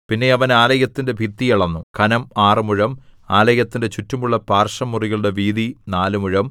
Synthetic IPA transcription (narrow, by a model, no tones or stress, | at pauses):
pinːe̞ɐʋɐnaːlɐjɐt̪ːinde̞bʱit̪ːijɐɭɐnːukɐnɐmaːrɨmuɻɐmaːlɐjɐt̪ːinde̞t͡ɕutːumuɭːɐpaːrʂɐmːuriɣɐɭɽe̞ʋiːðinaːlumuɻɐm